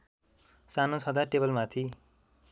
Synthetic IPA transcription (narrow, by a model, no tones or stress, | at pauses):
sanot͡sʰʌd̪aʈebʌlmat̪ʰi